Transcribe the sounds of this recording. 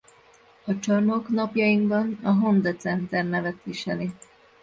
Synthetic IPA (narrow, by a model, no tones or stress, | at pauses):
ɒt͡ʃɒrmo̞knɒpjɒjiŋkbɒnɒɦo̞nd̪ɛt̪sɛnt̪ɛrnɛvɛt̪ʋiʃɛli